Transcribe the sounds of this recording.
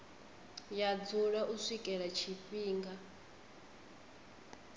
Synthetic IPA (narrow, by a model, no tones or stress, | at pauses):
jad͡zuɺaʔuʂikʼɛɺat͡ʃʰiɸiːŋɡa